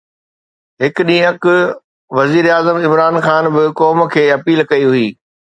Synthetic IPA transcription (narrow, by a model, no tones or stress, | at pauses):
ɦɪkɗĩːək | ʋɐziːɾaːzəmɪmɾaːnxaːnbɪkɔːm̆kʰeːɐpiːlkɐiɦʊiː